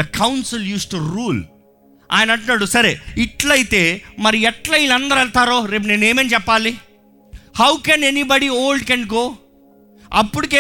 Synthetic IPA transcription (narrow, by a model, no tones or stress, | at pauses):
ɐkʰɐwnsiljuːsʈuɾuːl | a̰ːjnɐɳʈunːaːɽusɐɾḛːiʈlɐjit̪e̞ːmɐɾiɛʈlɐilɐnd̪ɐɾɐɭt̪aːɾoːɾe̞ːp̬ne̞ːneːmeːnt͡ʃɛpːaːli | hɐwkeːnenibɐɽioːlɖ̚keɳɖ̚koː | ɐpːuɽikeː